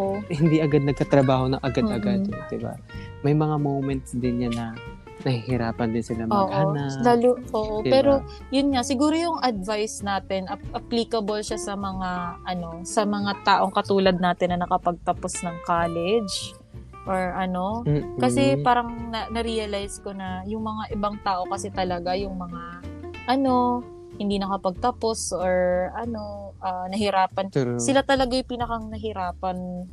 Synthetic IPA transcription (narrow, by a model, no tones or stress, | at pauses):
ʔohɪnd̪iʔɐɡad̪̚nɐɡ̚kat̪ɾɐbaːho̞nɐŋʔɐɡad̪ɐɡadd̪ɪba̰ | mɐjmɐŋamowmɛnt̪sd̪ɪnɲanɐ | nɐhihɪɾaːpɐnd̪ɪnsɪlamoːɡʔoanalalʔoːʔopɛːɾo̞ | jʊnŋasɪɡuːɾojʊŋʔɐd̪̚vajsnaːt̪ɛnʔɐʔɐpliːkɐbɐlʃasɐmɐŋaʔɐno̞sɐmɐŋat̪aːʔo̞ŋkɐt̪uːlɐd̪̚naːt̪ɪnːɐnɐkɐpɐɡ̚t̪ɐpo̞snɐŋkaːlɛd͡ʒ | ʔoɹʔɐno̞kɐsɛpaːɾɐŋnɐnɐɾiɐlajsko̞nɐjʊŋmɐŋaʔɪbaŋt̪aːʔo̞kɐsɛt̪ɐlɐɡajʊŋmɐŋaʔɐno̞ | hɪnd̪iːnɐkɐpɐɡ̚t̪ɐpo̞sʔoɹʔɐno̞ʔɐnɐhɪɾaːpɐnsɪlat̪ɐlɐɡajʊpiːnɐkɐŋnɐɦɪɾaːpɐn